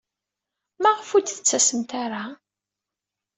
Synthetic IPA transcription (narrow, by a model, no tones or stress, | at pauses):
mæʁəfud̪θət͡sːæsəmt̪aɾa